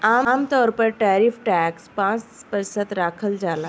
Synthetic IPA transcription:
amt̪ɔɾpəɾʈaɾifʈɛkspãt͡spəɾsət̪ɾakʰəld͡zala

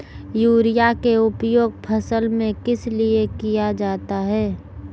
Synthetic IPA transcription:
juːɾijakeʊpjoːɡ̚pʰɐsəlmẽkɪsliekijad͡ʒaːt̪aɦɛː

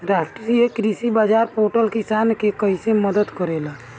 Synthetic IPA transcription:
ɾasʈiɾiekɾisibad͡ʒaɾpoʈəlkisankekəɦiseməd̪əd̪kəɾela

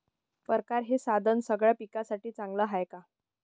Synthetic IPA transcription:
pəɾkaɾɦesad̪ʱənsəɡɭjapikasaʈiːt͡saŋɡləːɦajka

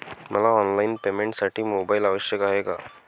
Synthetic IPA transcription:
məlaɔnlainpemẽɳʈsaʈʰiːmobailaʋəɕjəkaɦeka

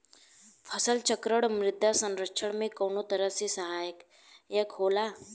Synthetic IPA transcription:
fʰəsəlt͡ɕəkɾəɽmɾid̪ʱjasənɾəkʂʰəɽmekəwɳut̪əɾəsisəɦajək | jekɦola

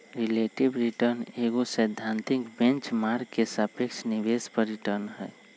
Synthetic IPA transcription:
ɾileʈibɾiʈəɾneɡosəjd̪ʱːant̪ikbẽnt͡ʃmaɾɡkesəpekt͡ʃʰnibespəɾːiʈəɾnɦɛ̰

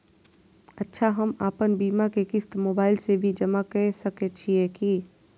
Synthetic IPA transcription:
ətːʃʰaɦəma̰ːpənbiːmakekɪst̪moːbaːɪlsebʱid͡ʒəmakɛsəket͡ʃʰiɛki

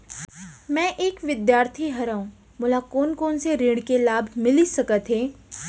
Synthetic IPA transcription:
mɛ̃ʔeːkʋɪd̪jaːɾt̪ʰiɦɐɾaːũ | mʊlakoːnkoːnseɾiːɽkelaːbʱmɪlisɐkət̪ɦeː

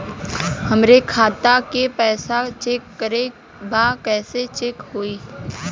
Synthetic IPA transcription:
həmɾekʰaːt̪akepɛːsat͡ʃeːkːəɾe | baːkɛːset͡ʃeːkhoːiː

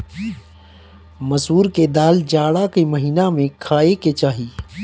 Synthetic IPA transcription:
mɐsuːɾked̪aːld͡ʒaːɽakeməɦiːnamẽkʰaːeket͡ʃaːɦiː

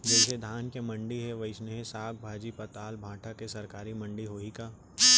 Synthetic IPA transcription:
d͡ʒɛːs̬ed̪ʱaːnkemɐ̃ɳɖiɦɛʋɐɪsneɦẽsaːk̚bʱaːd͡ʒipɐt̪aːlbʱãːʈʰakesɐɾkaːɾimɐ̃ɳɖiɦoːikaː

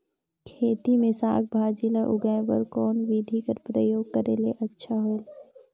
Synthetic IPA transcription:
kʰeːt̪imẽsa̰ːk̚ʰbʱaːd͡ʒilaʔʊɡajbə̰ɾkɔːnʋid̪ʱikəɾpɾəjoːɡ̚kəɾeleʔɐtːʃʰaɦoele

